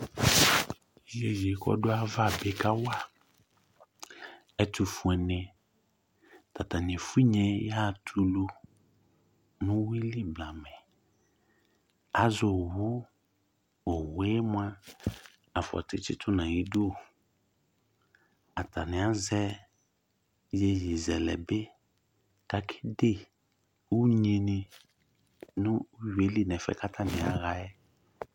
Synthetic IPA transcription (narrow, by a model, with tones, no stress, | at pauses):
je˨je˨kɔ̰˦dʊ˦a˦˨va˦˨be˨ka˦wa˦˨ | ɛ˦tʰu˨fu˨ɛ˨nɛ̃˨ | ta˨ta˨n˨ɪ̃˨fu˦i˦ɲɛ̃˨ja˦˨tʰu˦lu˦ | nʊ̃˦wi˦li˦bla˨mɛ̃˨ | a˨zʊ˨wʊ˦ | o˨we˦m˦a˦ | a˨fɔ̰˨tɪ˦t͡ʃɪ̰˦tʰʊ˦nã˨ji˦du˦o˦˨ | a˨tʰa˨nɪ̃˨a˦zɛ˦ | je˦ji˨zɛ˨lɛ˨bɪ˦ | ka˦kʰɪ̥˦de˦˨ | u˦ɲe˨nɪ̃˨ | nʊ̃˦je˨˦li˦˨nɛ˨fɛ̰˨ka˦tʰa˦nɪ̃˨a̰˨˦ɣa˦ɛ˦